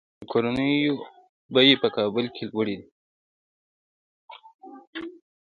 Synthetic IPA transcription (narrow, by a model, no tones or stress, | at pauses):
əkoɾanəjo | bajepəkɑːbʊlkʰelwəɽid̪i